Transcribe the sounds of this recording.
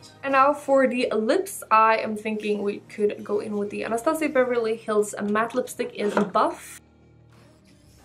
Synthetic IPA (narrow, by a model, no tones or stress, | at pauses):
ɨ̃nːaʊfə˞ðiʔəlɪpsaɪɨ̰̃ɪ̃mθɪ̃ŋkɪ̃ŋwikʰɨdɡoʊʔɪ̰̃nwɨðiɨ̰nəstãseɪbɛvɪlˠihɪlˠzə̰mæθəlɪpstɨkɪzəbʌf